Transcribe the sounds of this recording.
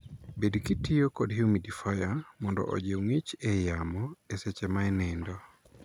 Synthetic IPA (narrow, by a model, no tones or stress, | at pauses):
bedkitiokɔdɦiumidifɔjamɔndɔ̰ʔɔ̰d͡ʒeoŋet͡ʃɛjamɔesɛt͡ʃɛmaɛnɛndɔ